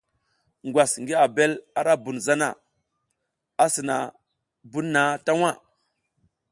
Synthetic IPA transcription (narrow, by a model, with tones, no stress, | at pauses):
ŋɡʷwʷa˨sŋɡi˦a˨be˦la˦ɾa˦bu˨nza˦na̰˨ | a˦si˨na̰˨ | bu˦nːa˨˦ta˦wa˦˨